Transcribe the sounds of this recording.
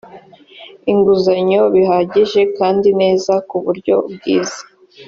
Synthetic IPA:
iŋɡuzaɲo̞βiɦaːɟiʒe̞kaːndine̞ːzakuβuɾɟo̞bɡiːzḁ

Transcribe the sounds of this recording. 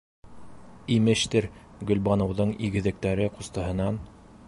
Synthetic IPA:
imɘ̆ʃt̪ɘɾɡɵ̆lbɑnɤ̆wðɤɴiɡɘ̆ðɘ̆k̚t̪æɾɘqost̪ɤ̆ɦɤ̆nɑn

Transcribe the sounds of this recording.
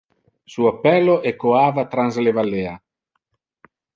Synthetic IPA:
suapːɛlːoʔekːoaːvat̪ɾanzslevalːeːa

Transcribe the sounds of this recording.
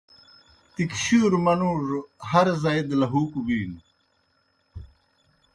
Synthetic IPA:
t̪ikɕuːɾmɐnuːɾhɐɾzajd̪lɐɦuːkubiːn

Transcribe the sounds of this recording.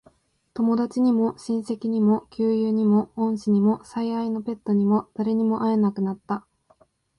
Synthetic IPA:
t̪o̞mo̞d̪at͡ɕiɲ̟imo̞ɕĩɰ̃se̞kʲiɲ̟imo̞kʲɨːjɯːɲ̟imo̞õɰ̃ɕiɲ̟imo̞saiaino̞pe̞t̪ːo̞ɲ̟imo̞d̪̥aɾe̞ɲ̟imo̞ʔae̞nakɯ̟nat̪ːa

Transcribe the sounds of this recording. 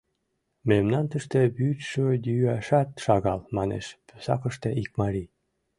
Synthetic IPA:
memnɑnt̪əʃt̪eβytʃøjyɑʃɑt̪ʃɑɣɑlmɑnḛʃpø̥sɑ̰kə̆ʃt̪eʔik̚mɑɾi

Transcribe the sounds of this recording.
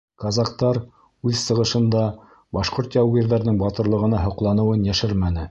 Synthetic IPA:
kɑzɑq̚t̪ɑɾ | ʉðsɤ̆ʁɤ̆ʃɤ̆nd̪ɑ | bɑʃqoɾt̪jɑwɡiɾðæɾnɤɴbɑt̪ɤ̆ɾlˠɤ̆ʁɤ̆nɑɦŏqlˠɑnɤ̆wɤnjæʃɘɾmænɘ

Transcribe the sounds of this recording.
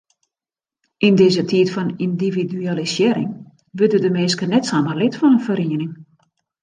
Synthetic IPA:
ʔindɪːzətʰiətfɔnindividyaləsjɪːɾɪ̰ŋ | ʋødədəmeːskənɛtsaməlɪtfɔnənfəɾiənɪŋ

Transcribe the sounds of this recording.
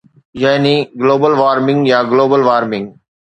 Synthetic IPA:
jaːniːɡloːbəlʋaːɾmɪ̃ŋɡjaːɡloːbəlʋaːɾmɪ̃ŋɡ

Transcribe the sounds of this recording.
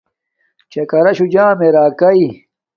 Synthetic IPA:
t͡ɕɐkɐɾɐɕud͡ʑãːmeɾaːkɐi

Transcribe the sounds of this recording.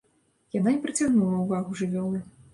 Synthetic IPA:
jananʲɛpɾɨt͡sʲaɣnulˠɐuvaɣuʐɨvʲɔlˠɨ

